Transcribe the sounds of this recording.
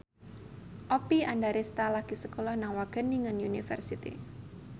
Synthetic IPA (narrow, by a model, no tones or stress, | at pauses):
ʔɔpiandaɾest̪alaɡ̥isəkolɔhnawaɡ̥əniŋənjunifə̰rsit̪ḭ